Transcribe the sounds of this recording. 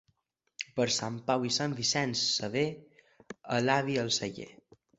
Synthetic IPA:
pəɾsampawisambisɛnsːəβe | əlaβiəlˠsəʎḛ

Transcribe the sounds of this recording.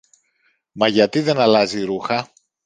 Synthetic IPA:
mɐʝɐt̪iðe̞nɐlɐziɾuxɐ

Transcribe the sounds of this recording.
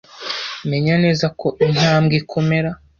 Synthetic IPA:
me̞ɲane̞ːzakʰoʔin̥aːmɡikʰo̞me̞ɾa

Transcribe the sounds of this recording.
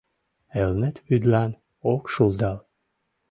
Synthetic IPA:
elnet̪βyd̪lɑn | okʃulˠd̪ɑl

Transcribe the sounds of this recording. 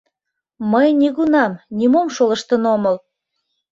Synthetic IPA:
məjnʲiɣunɑmnʲimomʃoləʃt̪ənoməl

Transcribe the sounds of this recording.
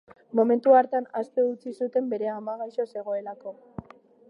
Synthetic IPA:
mo̞me̞nt̪uaɾt̪eanast̪e̞ut͡sisut̪e̞mbe̞ɾe̞amaɣajʃo̞se̞ɣ̞o̞e̞lako̞

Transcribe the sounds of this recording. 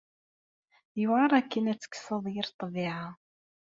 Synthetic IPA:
juʁɑɾˤækːənæt͡sːə̥kːsəðˤjɪɾt̪ˤːəviʕa

